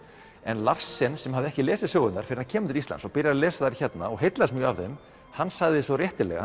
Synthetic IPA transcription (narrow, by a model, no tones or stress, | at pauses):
ɛnlar̥sːɪnsɛmhɦavðɪɛhcɪlɛːsɪðsjɔːɣʏnnaɾfɪɾhancʰɛːmʏnɪɾist̪a̰sɔpɪɾjaɾalɛːsaðθaɾiçɛt̪na̰ɔ̰ɣɦejt̪lasmjœːavθem | hanːsaɣðɪsvɔrjɛht̪ɪlɛ̰ɣa̰